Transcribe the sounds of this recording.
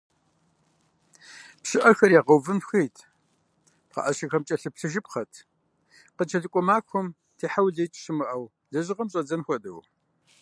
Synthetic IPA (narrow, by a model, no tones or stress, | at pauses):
pɕɪʔɐxɐɾjaːqəwvɨmxejtʰ | pqɑ̰ʔɐʃɐxɐmt͡ʃʼɐɬɨpɬɨʒɪpχɐtʰ | qət͡ʃʰɐɮɨkʷʼɔmaːkʷʰɔm | tʰeːħawɮejt͡ʃʼɕɪmɨʔɐw | ɮɐʒɪqɐmɕʼɐd͡zɐnxʷɔdɨw